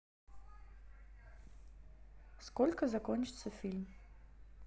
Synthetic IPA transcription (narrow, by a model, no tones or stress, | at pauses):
skɔlʲkazakɔnt͡ʃisɛfilm